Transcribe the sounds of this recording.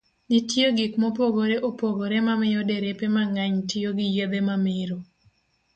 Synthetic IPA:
ditjoɡikmopoɡoɾeʔopoɡoɾemamɪjɔdeɾepemaŋaɲtɪoɡɪjed̪emamɪɾo

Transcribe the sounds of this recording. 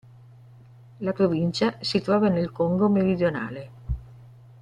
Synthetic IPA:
lapɾovint͡ʃasit̪ɾɔːvanelkoŋɡomeɾid̪jona̰ːle

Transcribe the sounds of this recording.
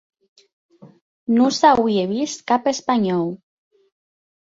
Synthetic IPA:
nũsawieβiskapespaɲɔw

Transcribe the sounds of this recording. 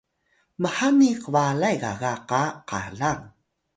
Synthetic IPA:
məħaniqəvalajɣa̰ɣaqaqa̰ɮaŋ

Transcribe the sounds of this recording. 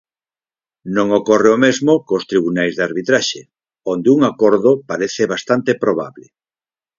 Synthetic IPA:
nõŋokoreomezmokost̪ɾiβunajzðaɾβit̪ɾaʃe | ond̪euŋakoɾðopaɾeθeβast̪ant̪epɾoβa̰βlɪ

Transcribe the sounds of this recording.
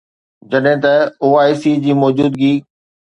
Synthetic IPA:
d͡ʑɐɗɦɪ̃t̪ɐoːaːisid͡ʑiːmɔːd͡ʑuːd̪ɡiː

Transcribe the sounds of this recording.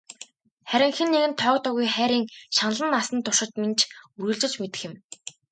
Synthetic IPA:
χæɾʲɪ̆ŋxɘ̆nːeɣɘ̆nt̪ʰɔːkt̪ɔɣujχæːɾʲiːŋʃan̆ɮə̆nːasə̆nt̪ʊʃɪ̆t̪ment͡ɕʰuɾɵ̆ːɮt͡ɕɪ̆t͡ɕmet̪ɘ̥̆xɪ̆m

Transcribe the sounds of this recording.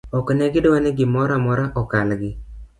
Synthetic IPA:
ɔknɛɡɪdwanɛɡɪmɔɾamɔɾaʔɔkalɡɪ

